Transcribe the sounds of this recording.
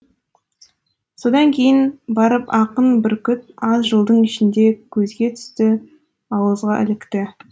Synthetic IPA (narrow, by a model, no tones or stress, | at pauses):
so̞d̪ɑŋkʲʰe̞jɪnbɑɾəpɑqənbɪɾkʲʏt̪̚ɑzʒəlˠd̪əɴɪʃɪnd̪e̞kʲʰɵzɡʲe̞t̪ʰʏ̥st̪ɪ | ɑwəzʁɑʔɪ̰lɪkt̪ɪ